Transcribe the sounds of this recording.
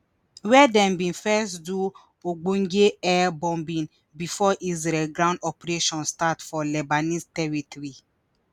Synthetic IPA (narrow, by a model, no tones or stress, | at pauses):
wɛdɛ̃mbĩnfɛstdu | oɡ͡bõŋɡeɛbɔ̃mbĩn | bifɔʔizɾɛlɡɾãʊ̃ndɔpɾeʃɔ̃nstatfɔlɛbanistɛɹitɔɾi